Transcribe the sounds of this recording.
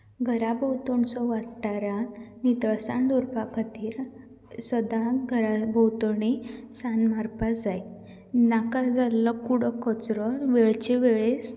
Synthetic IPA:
ɡʱəɾabəwt̪ɔɳsɔʋaɽʈaɾanit̪əɭsaɳd̪ɔɾpakʰat̪iːɾ | səd̪aɡʱəɾabʱəwt̪ɔɳ̃isanmaɾpad͡zaj | nakad͡zalːɔkuɽ̤əkɔt͡sɾɔʋeɭt͡ɕeʋeɭes

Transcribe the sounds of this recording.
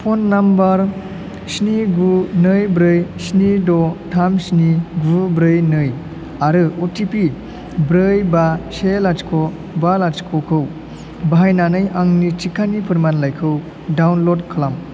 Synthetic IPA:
pʰonːambaɾ | sniɡunɯjbɾɯjsnidɔtʰamsniɡubɾɯjnɯj | aɾɯotipi | bɾɯjbaselat͡ʃkʰɔ | balad͡ʒkʰɔkʰɯw | baɦajnanɯjaŋnit͡ʃikʰanipʰɯɾmanlajkʰɯw | dawnlodkʰɯlam

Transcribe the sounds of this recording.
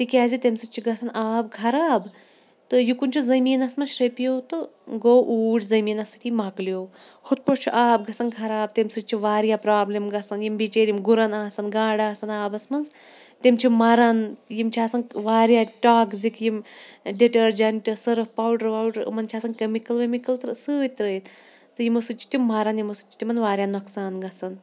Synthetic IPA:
t̪ikʲaːzit̪emsɨt͡ʃʰiɡɐsɐnaːbkʰɐɾaːb | t̪ɨjukunʲt͡ʃʰuzɐmiːnɐsmɐnʃɐpijot̪ɨɡoːʔuːʈzɐmiːnɐsʰit̪imakljoː | hut̪̚pɐɾt͡ʃʰuʔaːbɡɐsɐnkʰɐɾaːb̚t̪emsɨt͡ʃʰiʋaːɾjapɾaːblemɡɐsɐnjimbit͡ʃeːɾimɡuɾɐnaːsɐnɡaːɽaːsɐnaːbɐsmɐnzt̪emt͡ʃʰimɐɾɐnjimt͡ʃʰiaːsɐnʋaːɾjaʈaːkzikjimɖiʈɐɾd͡ʒɐɳʈɐsɐɾɐpaːwɖɐɾʋawɖɐɾ̰mɐnt͡ʃʰaːsɐnkemikɐlʋɐmikɐlt̪ɐɾsɨit̪ɾəjt̪ | t̪ɨjimɐsut͡ʃʰi̥t̪ʲimːɐɾɐnjimɐsut͡ʃi̥t̪ʲimɐnʋaːɾʲjanɐksaːnɡɐsɐn

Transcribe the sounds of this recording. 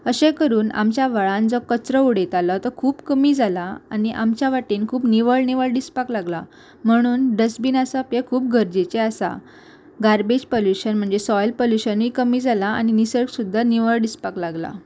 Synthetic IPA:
əɕẽkəɾuːna̰mt͡ɕjaʋəɭãnd͡zɔkət͡sɾəuɽet̪alɔt̪ɔkʰuːpkəmiːd͡zalaaniʔamt͡ɕjaʋaʈinkʰuːpniʋəɭniʋəɭɖispaklaɡla | m̤əɽ̃uːnɖəsbiːnasapjekʰuːp̚ɡʱəɾd͡ʑet͡ɕeasa̰ | ɡaɾbed͡ʑpoljuɕənm̤əɳd͡zesɔjlpoljuɕənʋikəmiːd͡zʱalaa̰ñinisəɭksud̪ʱːaniʋəɭɖispaklaɡla̰

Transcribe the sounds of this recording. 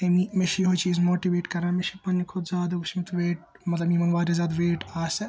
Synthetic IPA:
t̪emimeʃiɦot͡ʃʰiːzmoːʈiʋeːʈkɐɾaːmeʃipɐnːikʰʊd̪zʲaːd̪ɐɡusʰmit̪ʋeːʈ̚ | mɐt̪lɐbimɐnʋaːɾɐzjaːd̪ʋeːʈaːsɐ

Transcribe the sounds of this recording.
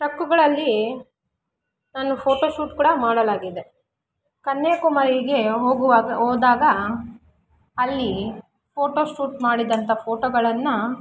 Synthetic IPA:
ʈɐkːuɡɐɭɐlːi | naːnupʰoːʈoːʃuːʈkuːɽɐmaːɽɐlaːɡid̪e | kɐnːekumɐɾiɡe̞ɦoːɡuʋaɐɦoːd̪aːɡɐ | ɐlːi | pʰo̞ːʈoːʃuːʈmaːɽid̪ɐnt̪ɐpʰoːʈoːɡɐɭɐnːɐ

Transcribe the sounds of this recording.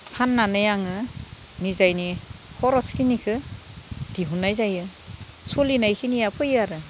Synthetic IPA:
pʰanːanɯjaŋɯ | nizajnikʰɔɾɔskinikʰɯ | d̥iɦunːajzajɯ | sulinajkʰinijapʰɯjaɾɯ

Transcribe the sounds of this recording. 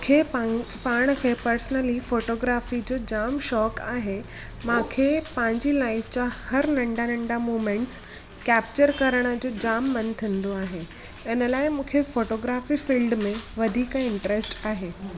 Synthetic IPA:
kʰe | paːɽ̃kʰepɐɾsnəlifoːʈoːɡɾaːfid͡ʑoːd͡ʑaːmʃɔːkaːɦe | mãːkʰepɐ̃ɦɪ̃ɲd͡ʑilaːɪfd͡ʑaːhɐɾnɐ̃ɳɖanɐ̃ɳɖamoːmẽɳʈs | kɛːp̚t͡ɕəɾkɐɾəɽ̃əd͡ʑoːd͡ʑaːmːɐnt̪ʰĩnd̪oaːɦe | ɛnəlaːɪmũːkʰefoːʈoːɡɾaːfifiːlɖmẽʋɐd̪ʱiːkɛ̃ɪ̃ɳʈəɾesʈaːɦeː

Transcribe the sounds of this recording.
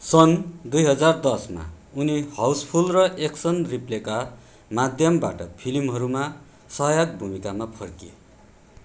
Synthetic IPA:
sʌnd̪ujɦʌd͡zard̪ʌsma̰unihawspʰulrʌʔeksʌnripleka | mad̪ʱjʌmba̰ʈʌpʰilimɦʌɾuma | sʌɦjaɡ̚bʱumikamapʰʌrkiḛ

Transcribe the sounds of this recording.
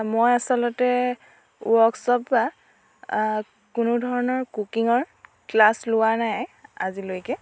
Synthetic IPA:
mojasɔlɔtɛ | ṵɔksɔba | kʊnudʱɔɹɔnɔɹkukiŋɔɹ | klaslʊwanaja̰zilojkɛ

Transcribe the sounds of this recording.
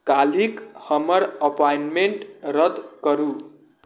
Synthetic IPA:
kalikhʌmʌɾəpajnmeɳʈɾʌt̪kʌɾu

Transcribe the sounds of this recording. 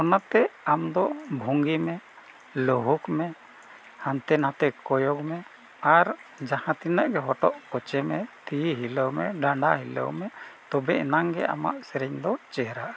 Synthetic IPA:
ɔnat̪ɛamd̪ɔbʱuŋɡimɛ | lɔɦukmɛ | hant̪ɛnãt̪ɛkɔjɔkmɛ | aɾd͡ʒahãt̪inəʔɡɛɦɔʈɔʔkɔt͡ʃɛmɛt̪iɦiləwmɛɖaɳɖaɦilə̰wmɛt̪ɔbɛʔɛnaŋɡɛ̰ʔa̰ma̰ʔsɛɾɛɲd̪ɔt͡ʃɛɦɾaʔḁ

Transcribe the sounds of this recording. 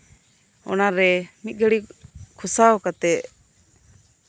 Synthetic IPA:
ɔ̰naɾɛmit̪̚ˀɡəɽikʰusaɔkat̪ɛʔ

